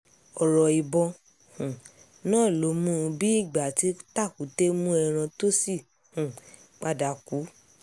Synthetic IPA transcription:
ɔ˨ɾɔ˨i˨bɔ˧ | hũ˨ | nãː˦˨lo˨˦mũ˦˧bi˦i˦˨ɡ͡ba˨ti˨˦ta˦˨ku˨˦te˦mũ˦ɛ˧ɾ̃ã˧to˦si˦˨ | hũ˨ | k͡pa˧da˨ku˨˦

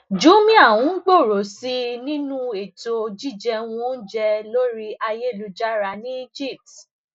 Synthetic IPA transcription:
d͡ʒu˨˦mĩ˦a˦˨wũ˨˦ɡ͡bo˦˨ɾo˨si˧nĩ˦nũ˦e˨to˧d͡ʒi˦˨d͡ʒɛ˧w̃ũ˦˧˦n̩˦d͡ʒɛ˧lo˦ɾi˦a˧je˦˨lu˧d͡ʒa˦ɾa˧nĩ˦d͡ʒi˦˨p̚tt

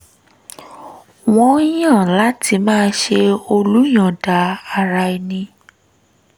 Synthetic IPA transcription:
w̃ɔ̃˦jã˦˨la˨˦tʰi˧mãː˦˧˦ʃe˧o˧lu˦j̃ã˨da˨a˧˨ɾa˧i˧nĩ˧

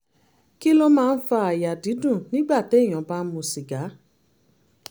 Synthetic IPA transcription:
ki˦lo˦mãː˦˧n̩˦fa˧a˨ja˨di˨˦dũ˦˨nĩ˦ɡ͡ba˦˨te˨˦˨j̃ɔ̃˨˦ba˦n̩˦mũ˧si˨ɡa˨˦

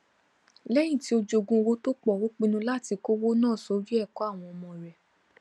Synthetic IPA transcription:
lɛ˦j̃ĩ˦˨ti˨˦o˧d͡ʒo˧ɡũ˧wo˦to˦k͡pɔ˦˨wo˦k͡pĩ˧nũ˧la˦ti˧ko˦wo˦nãː˦˨sɔ˨˦d͡ʒi˦ɛ˦˨kɔ˨˦a˦˨w̃ɔ̃˧ɔ˧mɔ̃˧˨ɾɛ˨

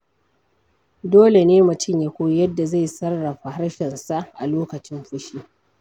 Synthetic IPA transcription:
doː˦le˨neː˦mʊ˨tɪ˦˨ɲja˨kʷoː˦jɐ˦dːa˨za˦˨jsɐ˦rːɐ˨ɸa˨ha˦ɽʃɛ˨nsa˦ʔa̰˨loː˦kɐ˨t͡ʃɪ˦mɸʊ˦ʃi˦

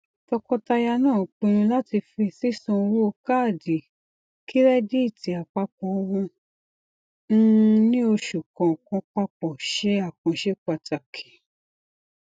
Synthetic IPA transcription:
tɔ˧kɔ˧ta˧ja˧nãː˦˨k͡pĩ˧ɾ̃ũ˧la˦ti˧fi˧si˦sɔ̃˧wo˦o˧ka˦˨di˨ | kʰi˦ɾɛ˦di˦i˦˨ti˨˦a˨k͡pa˧k͡pɔ˨˧wũ˧ | n̩˦˧nĩ˦o˧ʃu˨kɔ̃˨kɔ̃˧k͡pa˧k͡pɔ˨ʃɛ˨˦a˦˨kɔ̃˨˧ʃe˦k͡pa˨ta˨kʰi̥˨

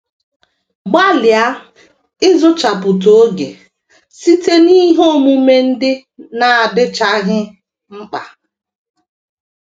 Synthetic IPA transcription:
ɡ͡ba˦lɪ˨a˦ | ɪ˦zʊ˦t͡ʃa˨pʊ˨to˨o˦ɡḛ˨ | si˦te˦ni˦ɦo˦˨mu˦me˦n̩˦dɪ˦ | na˨a˨dɪ˦t͡ʃa˦ɦɪ˦ | ŋ͡m̩˦k͡pa˨

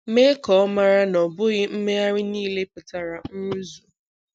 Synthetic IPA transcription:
me˦kɔ˨ɔ˦ma˦ɾa˦nɔ˨bʊ˦ɣɪ˦m̩˦me˦a˦ɾɪ˦niː˦le˦pʊ˨ta˨ɾa˨n̩˦ɾu˦zu˨

